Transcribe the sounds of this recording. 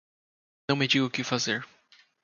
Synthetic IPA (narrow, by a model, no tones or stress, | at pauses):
nɐ̃w̃mɪd͡ʒiɡʊkɪfazeɾ